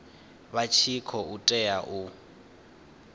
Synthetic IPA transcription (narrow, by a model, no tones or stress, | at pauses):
βat͡ʃʰikʰɔutʼɛjaʔu